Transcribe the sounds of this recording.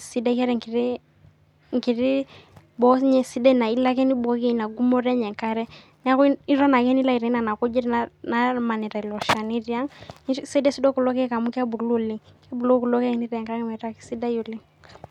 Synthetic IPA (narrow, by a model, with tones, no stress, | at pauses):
si˨˦da˦kɛ˦ɾɛ˨˦ŋki˨ɾi˦ | ŋ˨ki˨ɾi˦ | bɔ˦ɲɛ˨si˦da˦˨na˨i˦la˦kɛ˦ni˦bɔ˨˦kɛ˦i˨na˨ɡu˦mɔ˦ɾɛ˦ɲɛ˨ŋka˦ɾɛ˦ | n˦a˦kɔ˦i˦ɾɔ˦na˨kɛ˦ni˦la˦i˨ɾɛ˨˦na˨na˨kɔ˦d͡ʒɛ˦ɾna˨ma˨nɛ˨ɾa˨i˨lɔ˨ʃa˨ni˦ɾja˦ŋ˦sɛ˦dɛ˦si˦dɔ˦ku˨lɔ˦kɛ˦ka˨mu˦ka˦bu˨lu˦li˦ka˦bu˨lo˦ku˨lɔ˦kɛ˦ɛ˨ni˦ɾɛ˨ŋka˦ɾɛ˦mɛ˨ta˦ki̥˨si˦da˦ju˨li˦